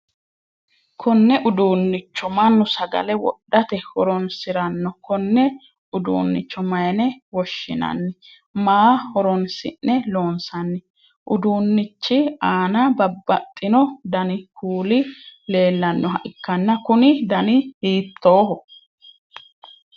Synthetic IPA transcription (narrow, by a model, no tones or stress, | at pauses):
kʰɔnːɛʔʊd̪uːnːɪt͡ʃːɔmɐnːʊsɐɡɐ̰lɛwɔ̰ɗːɐt̪ɛhɔɾɔnsɪɾɐnːɔkɔnːɛ | ʊd̪ṵːnːɪ̰t͡ʃːɔmɐjɐnɛwɔʃːɪ̰nɐ̰nːɪ | maːhɔɾɔnsɪ̰nːɛlo̞ːnsɐnːɪ | ʔʊd̪uːnːɪt͡ʃːɪaːnɐbɐbːɐt̪ʼːɪnɔd̪ɐnɪkʰuːlɪle̞ːlːɐnːɔɦɐʔɪkːɐnːɐkʊnɪd̪ɐnɪhiːt̪ʰːoːɦɔ